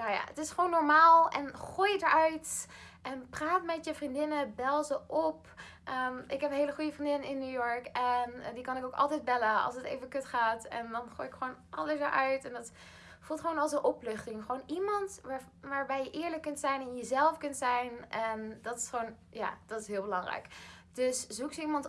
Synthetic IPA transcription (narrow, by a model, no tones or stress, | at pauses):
jaja̰ːə̰tɪsχəʋownːɔɹmaːlˠɛnχujədəɹœɥtʔɛnpraːtmɛtjəvrindɪnəbɛlˠzəʔɔp | ʔəmɪkɦɛpnɦejləχujəfrindɪnəɪnːyːjɔɹkɛndikɑnɪkowkɑ̰lˠtɛjd̚bɛləɑ̰lˠsətejvənkɵtχaːtɛ̰ndɑnχoːjɪkχəʋownɑləsdəɹʔœɥtɛndɑt | fulˠtχʋoːnɑlˠsənʔɔplɵχtɪŋχəʋownimɑnt | ʋaːɹbɛjəʔɪːɹləkːɵntsɛjnɪnjəzɛlˠfkɵntsɛjnɛndɑtɪ̥sχʋown | ja̰ːd̥ɑtɪ̥sɦɪːlˠbəlɑŋrɛ̰jkd̥ɵszuksəimɑnt